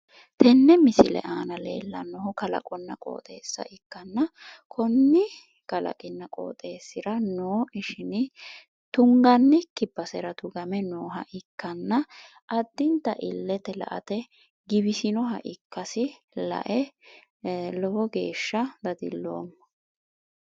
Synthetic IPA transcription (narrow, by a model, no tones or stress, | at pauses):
t̪ɛnːɛmɪsɪ̰lɛ̰ʔaːnɐlḛːlːɐnːɔɦʊkɐlɐ̰kʼɔnːɐkʼo̰ːt̪ʼe̞ːsːɐ̰ʔɪkːɐnːɐkʰɔnːɪ | kɐlɐ̰kʼɪnːɐkʼo̰ːt̪ʼe̞ːsːɪɾɐnoːʔɪʃɪnɪ | t̪ʊŋɡɐnːɛkːɪbːɐsɛɾɐt̪ʊɡɐmɛnoːɦɐ̰ʔɪkːɐnːɐ | ʔɐd̪ːɪnt̪ːɐʔɪlːɛt̪ɛlɐ̰ʔɐ̰t̪ɛ | ɡɪbɪsɪnɔɦɐ̰ʔɪkːɐsɪ | lɐ̰ʔɛ | lɔwɔɡe̞ːʃːɐd̪ɐd̪ɪ̰lːo̰ːmːɐ